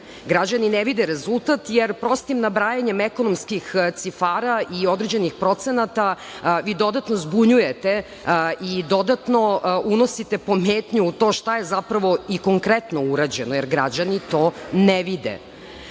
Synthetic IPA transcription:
ɡɾad͡ʑanineʋid̪ɛɾezulˠt̪at̪jeɾpɾo̞st̪imnabɾaːjaɲemeko̞nomskixt̪sifaːɾaio̞d̪ɾed͡ʑe̞nixpɾo̞t̪senat̪a | ʋiːd̪o̞d̪at̪nozbuɲujet̪e | ʔid̪o̞d̪at̪no̞uno̞sit̪epo̞meːt̪ɲuut̪o̞ːʃt̪ajezapɾaʋo̞iko̞ŋkɾet̪nouɾad͡ʑenojeɾɡɾa̰d͡ʑanit̪oneʋid̪ḛ

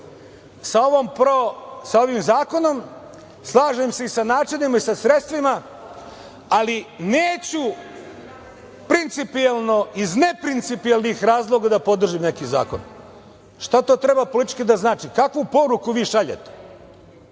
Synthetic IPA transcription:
saoʋompɾosao̞ʋimzaːko̞no̞m | slˠaːʒemse̞isanaːt͡ʃinimaisasɾet̪st̪ʋima | alineːt͡ɕu | pɾint̪sipialˠnoizne̞pɾint̪sipialnixɾaːzlˠo̞ɡad̪apo̞d̪r̩ʒimne̞kiza̰ːko̞̰n | ʃt̪at̪o̞ːt̪ɾe̞bapo̞lit̪i̥t͡ʃkid̪aznaːt͡ʃikakʋupo̞ɾukuʋiːʃaʎḛt̪e̥

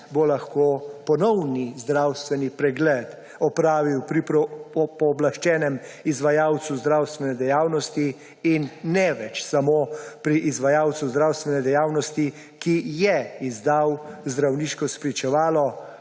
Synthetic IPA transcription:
bolaxkoːpɔnɔwnizd̪ɾawst̪ʋɛnipɾɛɡlɛt̪ | ɔpɾaːʋiwpɾipɾpɔːblaʃt͡ʃɛːnɛmizʋajawt̪suzd̪ɾawst̪ʋɛnɛd̪ɛjaːwnɔst̪iː | nːɛʋɛt͡ʃsamoːpɾiʔːzʋajaːwt̪suzd̪ɾawst̪ʋɛnɛd̪ɛjaːwnɔst̪i | kijɛizd̪awzd̪ɾawniːʃkɔspɾit͡ʃɛʋaːlɔ

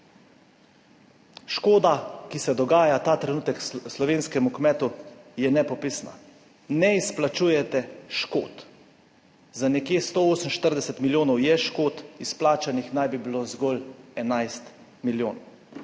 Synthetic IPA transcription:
ʃkoːd̪akisɛd̪ɔɡaːjat̪aːt̪ɾɛnuːt̪ɛkslɔʋeːnskɛmukmɛt̪ujɛnɛpɔpisna̰ | nɛisplat͡ʃuːjɛt̪ɛʃko̰ːt̪ | zanɛkjeːst̪ooːsəmʃt̪əɾd̪ɛsɛt̪miljoːnɔwjɛʃkoːt̪isplaːt͡ʃanixnajbibilozɡɔlɛnajst̪ | miljoːnɔw

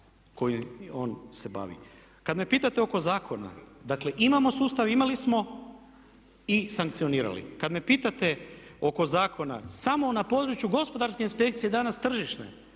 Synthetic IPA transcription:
ko̞jimo̞ːnse̞ba̰ːʋḭ | kad̪me̞piːt̪at̪eo̞ko̞zaːkʰo̞na̰d̪akle̞ʔimamo̞suːst̪aʋimalismo̞ | isaŋkt̪sijoniːɾa̰lḭkad̪me̞piːt̪at̪eo̞ko̞zaːkʰo̞na̰samo̞napo̞d̪ɾut͡ʃjuɡo̞spo̞d̪aɾskeinspe̞kt̪sije̞d̪anast̪r̩ʒiʃnḛ

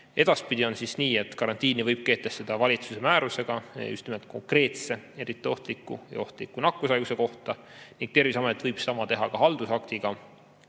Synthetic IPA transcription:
e̞d̪̥ɑspid̪io̞nsisniːe̞t̪kɑɾɑnt̪iːnivɤjb̥̚ke̞ːt̪ːest̪ːed̪̥ɑvɑlʲit̪suse̞mæːɾuse̞ɡ̥ɑjṵst̪nimelt̪̚ko̞ŋkre̞ːt̪se̞e̞ɾit̪ˑːio̞ht̪likːˑujɑ̰o̞ht̪likːˑunɑkːˑusɑjɡ̥use̞ko̞ht̪ɑ | niŋɡ̥̚t̪e̞rvisɑme̞t̪ːˑvɤjb̥sɑmɑt̪e̞ɦɑkɑɦɑld̪usɑkt̪iɡ̥ɑ

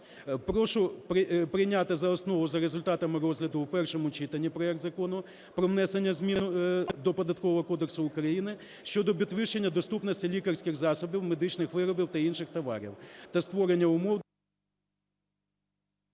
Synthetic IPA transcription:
pɾɔʃʊpɾɪpɾɪjnʲat̪ɪzɐɔsnɔʋʊzɐɾezʊlʲt̪ɑt̪ɐmɪɾɔzʲɦlʲɐd̪ʊwpɛrʃɔmʊt͡ʃit̪ɐnʲːipɾɔɛkt̪zɐkɔnʊ | pɾɔʋnɛsenʲːɐzʲmʲinʊd̪ɔpɔd̪ɐt̪̚kɔʋɔɦɔkɔd̪eksʊʊkɾɐjinɪ | ʃt͡ʃɔd̪ɔbʲid̪ʋɪʃt͡ʃenʲːɐd̪ɔst̪upnɔsʲtʲilʲikɐrsʲkʲɪxzɑsɔbʲiwmed̪ɪt͡ʃnɪxʋɪɾɔbʲiwt̪ɐinʃɪxt̪ɐʋɑ̰ɾʲḭwt̪ɐst̪ʋɔɾenʲːɐʊmɔw

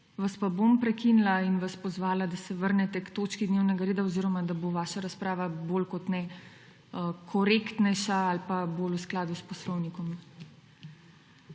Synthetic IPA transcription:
ʋaspabompɾɛkinlainʋaspɔzʋaːlad̪asɛʋəɾnɛt̪ɛkt̪oːt͡ʃkid̪neːwnɛɡaɾeːd̪aoziɾɔmad̪aboʋaːʃaɾaspɾaːʋabolkɔt̪nɛ | əkʰɔɾekt̪nɛjʃaalpabolusklaːd̪uspɔslɔwnikɔm

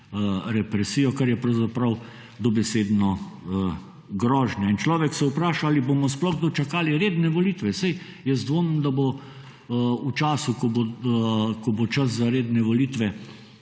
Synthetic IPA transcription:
ɾɛpɾɛsiːjɔkaɾjɛpɾɐwzapɾɐw | d̪ɔbɛseːd̪nɔ | ɡɾɔːʒnjaint͡ʃlɔːʋɛksɛupɾaːʃaaːliboːmɔsplɔɣɡd̪ot͡ʃakaːliɾeːd̪nɛʋɔliːt̪ʋɛsɛj | jɛzd̪ʋonnd̪abo | ut͡ʃaːsukɔbo | kɔbot͡ʃɐszaɾeːd̪nɛʋɔliːt̪ʋɛ

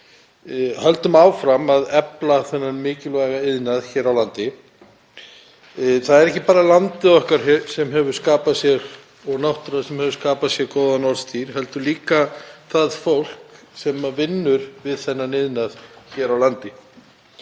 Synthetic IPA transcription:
halt̪ʏmaːwfɾamaðɛplaθɛnːanmɪːcɪlvajɣaɪðnaðçɛːɾawlant̪ɪ | θaðɛɾɛhcɪpaːɾalant̪ɪðɔhkaɾ̥ɛsɛmɦɛvʏɾ̥skaːpasjɛɣ | ɔɣnawht̪ʏɾḁsɛmhɛvʏɾ̥skaːpasjɛɣkɔːwðanɔɾst̪ʰiɾ̥hɛlt̪ʏliːkaθaðfowl̥k | sɛmavɪnːʏɾvɪðθɛnːanɪðnaðçɛːɾawlant̪ɪ

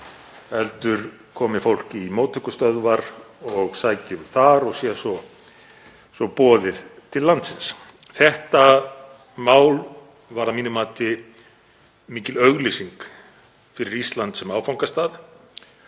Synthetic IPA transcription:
ɛlt̪ʏɾ | kʰɔːmɪfowl̥cɪːmoːwt̪ʰœhkʏst̪œðvaɾɔɣsaːjcʏmθaɾɔɣsjɛsɔ | sɔpɔːðɪðt̪ʰɪlːant̪sɪns | θɛht̪a | maːwl | vaɾaðmiːnʏmaːt̪ɪ | miːcɪlœɣlisiŋk | fɪɾɪɾist̪lant̪sɛmaːwfawŋ̥kast̪aːð

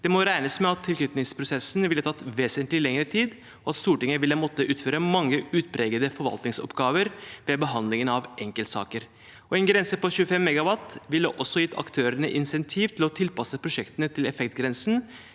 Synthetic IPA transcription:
d̪̥ɛmɔɾæɪnəsmɛɑt̪ʰːɪlk̪ʰʉt̪nɪŋspʰɾʊsɛsnʋɪlːət̪ʰɑt̪ːʋeːsənt̪lɪlɛŋəɾət̪ʰiːd̪ | ɔɑt̪st̪uːʈɪŋːəʋɪlːəmɔt̪ːəʔʉːt̪føːɾəmɑŋːəʉːt̪̚pʰɾɛːɡəd̪əfɔɾʋɑ̰lt̪nɪŋsɔ̰pɡɑːʋəɾʋɛbəɦɑnd̪lɪŋənɑʋʔɛŋkəlt̪sɑ̰ːkəɾ | ɔɛnɡɾɛnsəpɔɕʉːəfɛmːɛɡɑʋɑt̪ʋɪlːəʔɔsːɔjɪt̪ːʰɑ̰kt̪ʰøːɾəɳəʔɪnsɛnt̪ʰiːʋt̪ʰɪlɔt̪ʰɪlpɑsəpʰɾʊʂɛkt̪ənət̪ʰɪlɛfɛk̚t̪ɡɾɛnsn̩

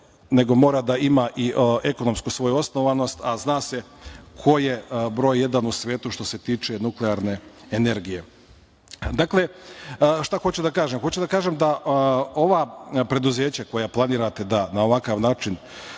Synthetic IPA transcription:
ne̞ɡo̞mo̞ːɾad̪aimaʔie̞ko̞no̞mskusʋo̞juosno̞ʋano̞st̪aznaːse̞kʰo̞jebɾo̞ːjːe̞d̪anusʋʲje̞ːt̪uʃt̪o̞se̞t̪iːt͡ʃe̞nukleaɾne̞ | ene̞ɾɡije̞ | d̪aklˠe̞ | ʃt̪axot͡ɕud̪akaːʒemxot͡ɕud̪akaːʒemd̪aʔo̞ʋapɾe̞d̪uzeːt͡ɕako̞japlˠaniːɾat̪e̞d̪anao̞ʋakaʋnaːt͡ʃin

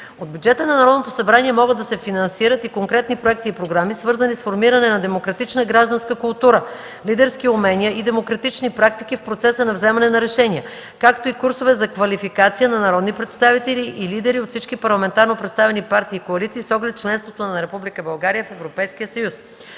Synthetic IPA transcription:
od̪̚bʲjud͡ʒɛt̪ənɐnɐɾɔd̪not̪osɐbɾaniɛmɔɡəd̪ːɐsɛfinɐnsiɾət̪ikoŋkɾɛt̪nipɾoɛk̚t̪iːpɾoɡɾamisvɤɾzənisfoɾmiɾɐnɛnɐd̪ɛmokɾɐt̪it͡ʃnəɡɾaʒd̪ɐnskəkulˠt̪uɾə | lid̪ɛɾsk̟iʊmɛnʲiəʔid̪ɛmokɾɐt̪it͡ʃnipɾak̚t̪ik̟ifpɾot̪sɛsənɐvzɛmɐnɛnɐɾɛʃɛnʲiə | kakt̪oikuɾsovɛzɐkvɐlifikat̪sijənɐnɐɾɔd̪nipɾɛt̪st̪avit̪ɛliʔilid̪ɛɾiot̪fsit͡ʃkipɐɾlˠɐmɛnt̪aɾnopɾɛt̪st̪avɛnipaɾt̪iːkoɐlit̪siːsɔɡlɛt̪̚t͡ʃlɛnst̪vot̪onɐɾɛpublikəbɐlˠɡaɾijəfɛvɾopɛjsk̟iəsɐjus

